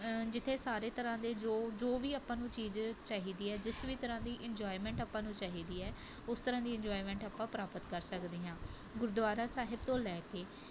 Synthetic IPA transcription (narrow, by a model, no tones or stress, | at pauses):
d͡ʒɪt̪ʰːeːsaːɾeːt̪əɾãːd̪eːd͡ʒoːd͡ʒoːʋiːaːpãːnũːt͡ʃiːzt͡ʃaːɦiːd̪iːɛːd͡ʒɪsʋiːt̪əɾãːd̪iːʔɪɲd͡ʒaːimɛ̃ːɳʈapːãːnũːt͡ʃaːɦiːd̪iːɛː | ʊst̪əɾãːd̪iːɪ̃ɲd͡ʒoːimɛ̃ːɳʈapːãːpɾaːpət̪kəɾsəkd̪iːɦãː | ɡʊɾd̪ʊʋaːɾaːsaːɦɪbt̪õːlɛːkeː